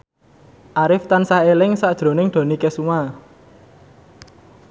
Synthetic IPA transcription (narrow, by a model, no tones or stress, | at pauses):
ʔaɾɪft̪ansaɦelɪŋsaʔd̥ʒ̥ɾo̤nɪŋɖ̪̥o̤nikesuma